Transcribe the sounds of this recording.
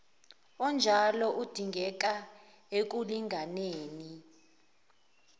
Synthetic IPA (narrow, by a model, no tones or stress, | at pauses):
ɔnd͡ʒʱalɔʔud̥ʱiŋɡʱɛk̬a | ek̬uliŋʱaneːni